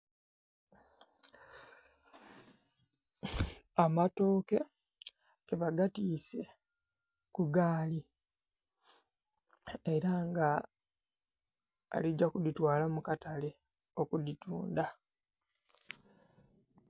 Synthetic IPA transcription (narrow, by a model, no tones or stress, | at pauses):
amato̞ːke̞ | keβaɡatiːse̞ | kuɡaːli | e̞ɾaŋɡa | lid͡ʒakuditwaːlamukatale̞ | o̞kudituːnda